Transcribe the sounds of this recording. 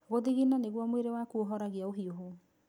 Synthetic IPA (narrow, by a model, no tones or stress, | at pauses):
ɣoðiɣinaneɣwɔmweɾewakuoɦɔɾaɣjaoɦioɦo